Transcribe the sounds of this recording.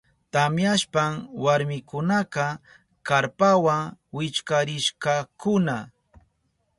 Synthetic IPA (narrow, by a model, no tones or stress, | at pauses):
t̪amjaʃpaŋwaɾmɪkʊnaqɑ | kaɾpawaŋwɪt͡ʃkaɾɪʃkɑkʊna